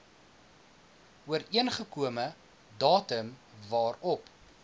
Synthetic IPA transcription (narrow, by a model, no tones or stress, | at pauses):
uəɾiənχəkuəmə | dɑːtəmvɑːrɔp